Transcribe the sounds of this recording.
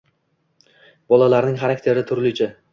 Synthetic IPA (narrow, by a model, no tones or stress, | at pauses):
bɒlˠalaɾnɪŋχaɾakʲt̪ʰe̞ɾɪt̪ʰʊɾlɪt͡ʃʰɪ